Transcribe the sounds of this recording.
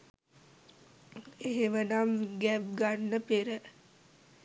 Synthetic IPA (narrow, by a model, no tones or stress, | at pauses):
eɦemənamɡæp̚ɡanːəpeɾə